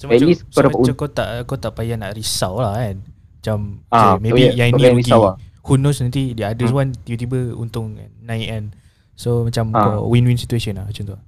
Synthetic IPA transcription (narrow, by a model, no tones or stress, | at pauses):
somɛt̪lissoamuamkat̪aʔkat̪aʔpajanaʔɾisawlahkan | mat͡ʃamamẽijãniɡiawahunosnant̪idəadəswant̪ibət̪̬ibəṵnt̪ʊŋ̰nãjɛ̃n | somat͡ʃamkawinwinsit̪uesɔnlaht͡ʃɔnt̪o